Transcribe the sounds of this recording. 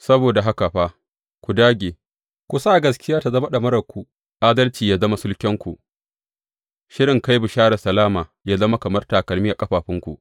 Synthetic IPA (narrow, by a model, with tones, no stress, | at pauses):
sɐ˦boː˨da˨ɦa˦ka˨ɸaː˦ | kʷu˨daː˦ɡʲeː˨ | kʷu˨saː˦˨ɡɐ˦skʲɪ˦jaː˦ta˨zɐ˦ma˦ɗɐ˨mɐ˦ɾɐ˨kʷu˨ | ʔaː˦dɐ˦lt͡ʃiː˨jaː˦zɐ˦ma˦sʊ˦lkʲɛ˦ŋkʷu˨ʔ | ʃɪ˦ɽɪ˨ŋka˦jbʊ˨ʃaː˦ɽɐ˨sɐ˨laː˦maː˨jaː˦zɐ˦ma˦kɐ˨mɐ˦rta˨kɐ˨lmiː˦ʔa˨kʼɐ˦ɸaː˨ɸɪ˦ŋkʷṵ˨ʔ